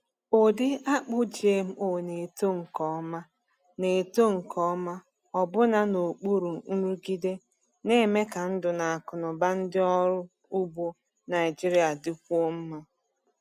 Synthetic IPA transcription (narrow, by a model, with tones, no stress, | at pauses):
o˨dɪ˦a˦k͡pʊ˦d͡ʒe˨m̩˦o˦˨ne˨to˦ŋ̩˨kɔ˦ma˦ | ne˨to˦ŋ̩˨kɔ˦ma˦ | ɔ˨bʊ˦na˦no˨k͡pu˦ɾu˨n̩˦ɾu˦ɡi˦de˦ | ne˦me˦ka˨n̩˦dʊ˨na˨a˨kʊ˨nɔ˨ba˦n̩˦dɪ˦ɔ˦ɾʊ˦ | u˦bo˦ | na˨ɪ˨d͡ʒi˦ɾi˦a˨dɪ˨˦kʷu˦o˦m̩˦ma˦